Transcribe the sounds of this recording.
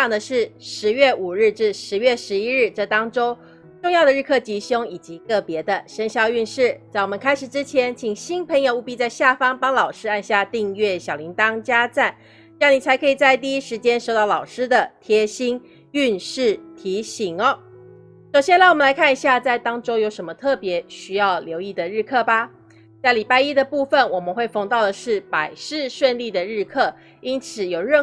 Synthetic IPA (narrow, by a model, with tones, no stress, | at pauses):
ɑ˨˩ŋd̪ə˩˧ʂɻ̩˥˩ʂɻ̩˧˥ɥɛ˥˩u˨˩ɻɻ̩˥˧ʈ͡ʂɻ̩˥˩ʂɻ̩˧˥ɥɛ˥˩ʂɻ̩˧˥i˥ɻ̩˥˧ʈ͡ʂɤ˥˩t̪ɑ˥ŋʈ͡ʂo˥ʊ | ʈ͡ʂʊ˥˧ŋjɑ˥˩ʊd̪ə˩ɻ̩˥˧kʰɤ˥˩t͡ɕi˧˥ɕʊ˥ŋi˨˩t͡ɕi˧˥kɤ˥˩pjɛ˧˥d̪ə˧ʂə˧˥nɕjɑ˥˧ʊy˥˧nʂɻ̩˥˩t͡sa˥˩ɪwɔ˨˩mə̃˦nkʰa˥ɪʂ̩˨˩ʈ͡ʂɻ̩˥t͡ɕʰjɛ˧˥nt͡ɕʰi˨˩ŋɕi˥npʰə˧˥ŋjo˨˧ʊu˥˩pi˥t͡sa˥˧ɪɕja˥˩fɑ˥ŋpɑ˥ŋlɑ˨˩ʊʂɻ̩˥a˥˧nɕja˥˧t̪i˥˧ŋɥɛ˥˩ɕjɑ˨˩ʊli˧˥ŋt̪ɑ˥ŋt͡ɕja˥t͡sa˥˩n˥ | jɑ˥˩ni˨˩t͡sʰa˧˥ɪkʰɤ˧˥i˨˩t͡sa˥˧ɪt̪̬i˥˧i˥ʂɻ̩˧˥t͡ɕjɛ˥nʂo˥˧ʊt̪ɑ˥˩ʊlɑ˨˩ʊʂɻ̩˥d̪ə˨t̪ʰjɛ˥ɕi˥n | y˥˧nʂɻ̩˥˩t̪ʰi˧˥ɕi˧˥ŋə˧˦ | ʂo˨˩ʊɕjɛ˥nla˥˧˩wɔ˨˩mə˦nla˧ɪkʰa˥˩ni˧˩ɕja˥˧t͡sa˥˩ɪt̪ɑ˥ŋʈ͡ʂo˥ʊjo˧˥ʊʂə˧˥nmə˧t̪ʰɤ˥˩pjɛ˧˥ɕy˥jɑ˥˩ʊljo˧˥ʊi˥˩d̪ə˩ɻɻ̩˥˧kʰɤ˥˩ba˨ | t͡sa˥˩ɪli˨˩pa˥ɪi˥d̪ə˨pu˥˩fə˨nwɔ˨˩mə˨˦nxwe˥˩ɪfɑ˧˥ŋt̪ɑ˥˩ʊd̪ə˩ʂɻ̩˥˩pa˨˩ɪʂɻ̩˥˧ʂwə˥˧nli˥˩d̪ə˩ɻɻ̩˥˧kʰɤ˥˩ | i˥nt͡sʰɹ̩˨˩jo˨˩ʊɻə˥˩